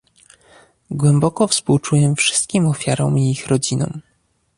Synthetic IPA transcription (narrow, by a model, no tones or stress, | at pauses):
ɡwɛmbɔkɔfspuwt͡ʂujɛfʂɘ̥st̪kʲimɔfʲjaɾɔmiixɾɔd͡ʑinɔ̰̃m